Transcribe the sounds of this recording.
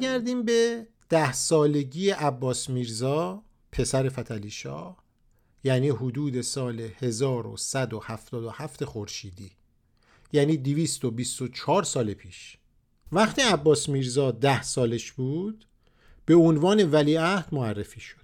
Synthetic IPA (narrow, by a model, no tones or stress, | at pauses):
ɡæɾd̪iːmbe̞ | d̪̥æhsɒːle̞ɟiːje̞ʔæbːɒːsmiːɾzɒː | pʰe̞sæɾe̞fæt̪ʰæliːʃɒ̰ːh | jæːniːhod̪uːd̪e̞sɒːle̞he̞zɒːɾo̰sæd̪o̞hæft̪ɒːd̪o̞hæft̪ʰe̞xoɾʃiːd̪iː | jæːniːd̪iviːst̪o̞bist̪o̞t͡ʃʰɒːɾsɒːlepʰiːʃ | væχt̪ʰiːæbːɒːsmiːɾzɒːd̪æhsɒːleʃb̥uːd̪̥ | b̥e̞onvɒːne̞væliːæhd̪̥moærːefiːʃod̪̥